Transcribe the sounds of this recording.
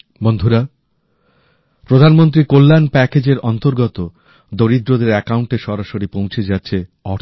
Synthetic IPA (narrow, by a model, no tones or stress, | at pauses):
bond̪ʱuɾa | pɾod̪ʱanmont̪ɾikolːanpɛked͡ʑeɾɔnt̪oɾɡɔt̪o | d̪oɾid̪ɾod̪eɾɛkauɳʈeʃɔɾaʃoɾipõwt͡ɕʰed͡ʑatːɕʰeɔɾ